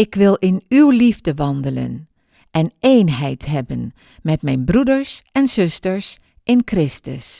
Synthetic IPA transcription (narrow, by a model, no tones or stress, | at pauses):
ɪkʋɪlˠɪnywlivdəʋɑndələ̰n | ʔɛnejnɦɛjtɦɛbən | mɛtmɛjnbrudəɹsɛnz̥ɵstəɹs | ʔɪnkrɪstəs